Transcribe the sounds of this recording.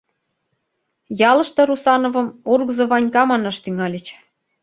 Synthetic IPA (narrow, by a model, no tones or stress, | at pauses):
jɑlɤ̆ʃt̪ɤ̆ɾusɑnovɤ̆murɣəzɤ̆βɑnʲkɑmɑnɑʃt̪yŋɑlʲet͡ɕ